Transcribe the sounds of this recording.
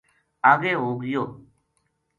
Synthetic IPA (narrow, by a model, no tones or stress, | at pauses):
aːɡeːɦoːɡjoː